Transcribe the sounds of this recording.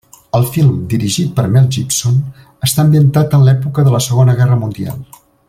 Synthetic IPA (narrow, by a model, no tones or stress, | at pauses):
əlˠfilˠmd̪iɾiʒit̪̚pəɾmɛlˠʒipson | əst̪aəmbiənt̪at̪ənlɛpukəðələsəɣonəɣɛrəmund̪ia̰lˠ